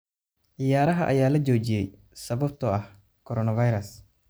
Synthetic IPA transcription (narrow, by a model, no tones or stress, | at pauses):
ʕɪjaːɾɐɦɐʔɐ̰jaːlɐt͡ʃɔːt͡ʃɪjɛj | sɐβɐb̚t̪ʰɔɐh | kʰɔɾɔːnɐvɐjɾɐs